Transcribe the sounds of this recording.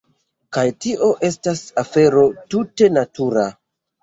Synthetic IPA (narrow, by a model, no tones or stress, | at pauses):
kajtiʔo̞ʔe̞stasafe̞ɾo̞tute̞natuɾa